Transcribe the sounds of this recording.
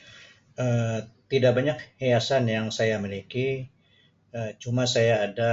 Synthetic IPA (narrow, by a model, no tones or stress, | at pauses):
ʔət̪idaʔ̚baɲak̚hejasanjaŋsajamiliki | ət͡ʃumasajaːda